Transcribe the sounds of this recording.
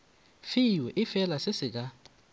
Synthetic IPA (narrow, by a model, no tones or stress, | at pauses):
fiwɛʔɪfɛlasɪsɪk̬ʼa